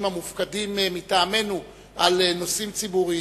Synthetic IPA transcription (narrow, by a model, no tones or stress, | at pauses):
mamufkadimmitaːme̞nu | ʔaleno̞simt͡sibuʁi